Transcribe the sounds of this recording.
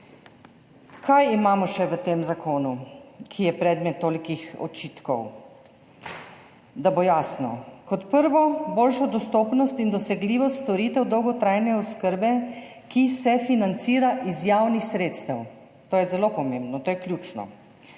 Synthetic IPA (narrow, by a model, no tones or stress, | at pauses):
kʰajimaːmɔʃɛʋət̪emzakʰoːnukʰijɛpɾɛd̪mɛt̪ːoːlikixɔ̰t͡ʃiːt̪kɔw | d̪abɔjaːsnɔ̰kɔt̪pəɾʋɔboːlʃɔd̪ɔst̪oːpnɔst̪ind̪ɔsɛɡliːʋɔst̪t̪ɔɾiːt̪ɛwd̪ɔwɡɔt̪ɾajnɛɔskəɾbɛ | kisɛfinant̪siːɾaʔizjaːwnixsɾeːt̪st̪ɛw | t̪oːjɛzɛlopɔmembnɔt̪oːjɛkljuːt͡ʃnɔ̰